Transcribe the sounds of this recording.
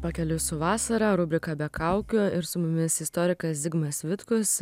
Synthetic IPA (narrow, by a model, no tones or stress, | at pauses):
pɐkʲɛlʲʊsʊʋɑːsɐɾɐɾʊbʲɪkɐbʲɛkʰɑˑʊkʲʊɪɾsʊmʊmʲɪsɪst̪oːɾʲɪkɐsd̪ʲɪɡmɐsʋʲɪt̪kʊs